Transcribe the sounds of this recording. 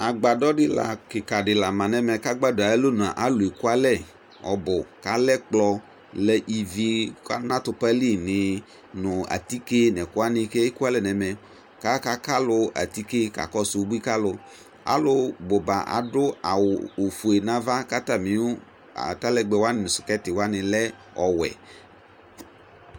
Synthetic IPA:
a˨ɡ͡ba˨dɔ˦ɖɪ˦la̰˨kɪ˨ka˨ɖɪ˨la˨mã˨nɛ˨mɛ˨ka˦ɡ͡ba˦dʊ˨a˨ɛ˦lo˦nʊ˨a˨ʔa˦lʊ˨e˨ku˦a˦lɛ˦˨ | ɔ̰˨bʊ˨ka˨lɛ˦k͡plɔ˦ | lɛ˨ʔi˨vi˨ka˦nã˦t̪ʊ˨pa˦li˦nɪ˨ | nʊ̃˨a̰˨t̪i˦ke˦nɛ̃˨kʊ˦a˦nɪ̃˨kɛ˦e˦ku˦a˦lɛ˨nɛ˨mɛ̃˨ | ka˦ka˨ka˦lʊ˨a̰˨ti˦ke˦ka̰˨kɔ˦sʊ˦bu˦i˦ka˦lʊ˨ | a̰˦lʊ˦bʊ˨ba˨ʔa̰˨dʊ˦a˨wːfu˨e˨nã˦va˦ka˦ta˨mɪ˨˦ʊ˦ | a̰˨ta˦lɛ˦ɡ͡bɛ˨wa˦nɪ˨nʊ˨sʊ̥˨kɛ˦tɪ˨wa˦nɪ̃˨lɛ˦ | ɔ˨wɛ̰˨

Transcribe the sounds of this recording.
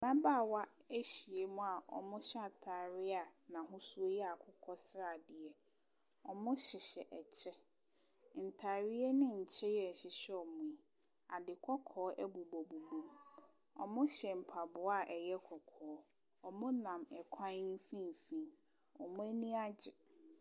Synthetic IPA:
nã˦baː˦˨wa˦æ˦ɕi˨e˨mʊ̃˦˨a˨ʔɔ̰˨mʊ̃˦ɕa˦˨tʰaː˨ɾɪ˦a˨nã˨ɦʊ̃˦su˦o˦jɛ˦a˨kʰʊ˦kʰɔ˦sɾa˨dɪ˨ɛ˨ | ɔ˨mʊ̃˦ɕɪ˨ɕɛ˨ʔt͡ɕʰɛ˦ | n̩˨tʰaː˨ɾɪ˦ɛ˦nɪ̃˦ɲ̩˨t͡ɕʰɛ˦jɛ˨ɕɪ˨ɕɛ˦ɔ˨mʊ̃˨i˨ | a˨dɪ˨kʰɔ˦kʰɔː˨˦ʔɛ˦bu˨bo˨bu˨bũ˦m | ɔ̰˨mʊ̃˦ɕɛ˨m̩˨pʰa˨bʊ˨˦a˦˨ʔɛ˨jɛ˦kʰɔ˨kʰɔː˨˦ | ɔ˨mʊ̃˦nã˨mɛ˨kʷʰã˦n̩˦fĩ˦m˨fĩ˦m | ɔ˨mʊ̃˦æ˦nĩ˦a˦d͡ʑɪ˨

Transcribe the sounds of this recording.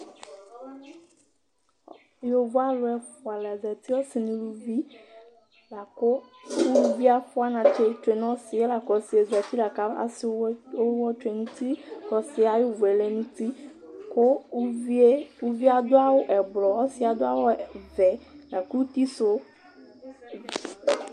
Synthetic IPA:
jo˨vo˦a˦lʊ˦ɛ˨fʊ˨a˨lɛ˨zɛ˨t̪i˦wɔ˦si˨nĩ˨lu˦vi˦ | la˨ko˦ | wu˦lu˦vi˦a˨ɸʊ˦a˦nã˨t͡ʃe˦t͡ʃe˨nɔ̃˦si˨e˦la˨kɔ˨si˨e˨zɛ˨t̪i˦la˨ka˨˦a̰˦so˦wɔ˦t͡ʃe˨nũ˦t̪i˦kɔ˨si˦a˨jʊ˦vo˨ɛ˨le˦nũ˦t̪i˦ko˦ | e˦wu˦vi˦a˨d̪ʊ˦a˦wo˦ʔɛ˨blɔ˨ɔ˦si˦a˨d̪o˦a˦wo˦vɛ˨la˨ku˦u˦t̪i˦so˦

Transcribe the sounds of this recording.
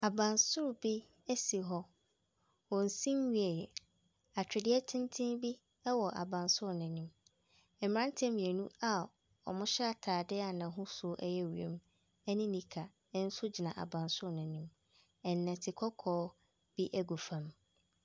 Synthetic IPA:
a˨bã˨nsʊ˦ɾʊ˨bi˦ | æ˦si˨ɦɔ˦ | wɔ̃˨n̩˨sĩ˦m˦ɥi˦ɛ˨jɛ˨ | a˨t͡ɕᶣɪ˨dɪ˦ɛ˦tʰɪ̃˦ntʰĩ˦nbi˦ | ɛ˦wɔ˨ʔa̰˨bã˨nsʊ˦ɾʊ˨nɛ̃˨nĩ˦m | ɛ˨m˨ã˦n˦tʰɛ̃˦m̃˨ɛ˨nũ˦a˨ | ɔ̰˨mʊ̃˦ɕɛ˦a˨tʰaː˨dɪ˦a˨nã˨˦ɦʊ̃˦sʊ˦ʔɛ˦jɛ˦wḛ̃˨m˦ | ɛ˦nĩ˦nĩ˨kʰa˨˦ | n̩˦sʊ˦d͡ʑi˨nã˨ʔa̰˨bã˨nsʊ˦ɾʊ˨nɛ̃˨nĩ˦m | ɛ˨nː˨ɛ̃˨tʰɪ˨kʰɔ˦kʰɔː˦ | b̥i˦ʔæ˦ɡu˨fã˦m

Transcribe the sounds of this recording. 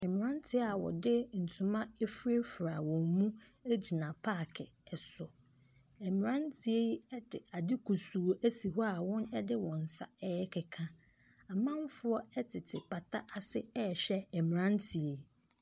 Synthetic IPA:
ɛ˨mɪ̃˨ã˦ntʰɪ˦a˨wɔ̰˨dɪ˦n̩˨tʰʊ̃˨mã˦e˦fɾe˦fɾa˨wɔ̃˨mmũ˦ | æ˦d͡ʑi˨nã˨pʰa˦˨kʰɪ˨ɛ˨sʊ˨ | ɛ˨mɪ̃˨ɾã˦ntʰi˨e˦ji˦ɛ˦dɪ˨a˨dɪ˦kʰu˨su˨o˨ʔæ˦si˨ɦɔ˦a˨wɔ̃˦nɛ˦dɪ˦wɔ̃˨n̩˨sa̰˨ɛ˦jɛ˦kʰɪ˨kʰã˦ | a˨mã˦m˦fʊ˦ɔ˦ɛ˦tʰɪ˨tʰɪ˨pʰa˨tʰa˦ʔa˨sɪ˦ɛ˦˨ɕɛ˦ɛ˨mɪ̃˨ɾã˦ntʰi˨e˨i˨

